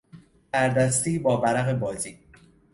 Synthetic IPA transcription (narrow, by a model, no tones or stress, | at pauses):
bæɾd̪æst̪iːbɒːvæɾæɣe̞bɒːziː